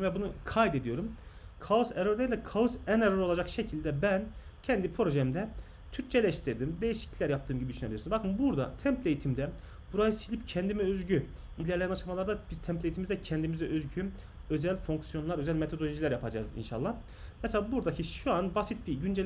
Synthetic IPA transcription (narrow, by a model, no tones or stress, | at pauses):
vɛbunukʰajd̪e̞d̪ijo̞ɾumkʰaoseɾøɾd̪ejlʲɛkʰaosæneɾøɾoad͡ʒakʃe̞cʰilʲd̪ɛbæn | cʰɛnd̪ipʰɾo̞ʒɛmd̪ɛ | t̪ʰyɾc̚t͡ʃʰɛlʲɛʃt̪ʰiɾd̪imd̪e̞jiʃi̥clʲilʲæɾjap̚t̪ʰɯːmɟibid̪yʃyne̞bilʲiɾsibakʰɯmbuɾd̪a̰t̪ʰɛmt̪lʲe̞jit̪ʰimd̪ɛ | b̥uɾajɯsilʲip̚cʰɛnd̪imiøzɟy | ilʲɛɾlʲejnaʃamalˠaɾd̪abiz̥t̪ʰɛmt̪lʲe̞jit̪ʰimizd̪ɛcʰɛnd̪imizɛʔøzɟy | ø̞zælʲfoŋksijo̞nˠaɾø̞zælʲmet̪ʰo̞d̪olʲoʒilʲæɾjapʰad͡ʒa̰ːzḭnʃa̰lˠːa | mɛselʲaːbuɾd̪acʰiʃuanbasit̪̚biɟynd͡ʒɛ